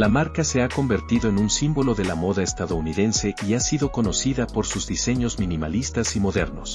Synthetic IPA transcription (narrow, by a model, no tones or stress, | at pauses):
lamaɾkase̞ako̞mbe̞ɾt̪iðo̞enunsimbo̞lo̞ðe̞lamo̞ðaest̪aðo̞uniðe̞nse̞iasiðo̞ko̞no̞siðapo̞ɾsuzðise̞ɲo̞zmĩnima̰list̪asimo̞ðe̞ɾno̞̰s